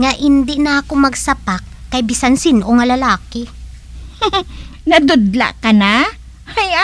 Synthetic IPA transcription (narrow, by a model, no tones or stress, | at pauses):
ŋɐʔɪnd̪ɪnɐʔɐkomɐɡsɐpak̚ːɐjbɪsansɪnʔoŋɐlɐlaːkɪ | nɐd̪ʊd̪la̰ʔkɐna | hɐja